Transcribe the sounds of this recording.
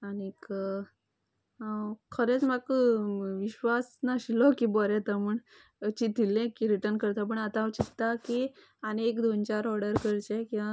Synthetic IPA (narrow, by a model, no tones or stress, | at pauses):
anek | kʰəɾet͡smakʋiɕʋasnaɕilɔkibɔɾɛt̪əmuɳ | t͡ɕit̪ilːẽkiɾiʈəɾnkəɾt̪ap̬əɳət̪ãʋt͡ɕit̪ːaki | aneekd̪ont͡ɕaɾɔɽəɾkəɾt͡ɕekĩʋa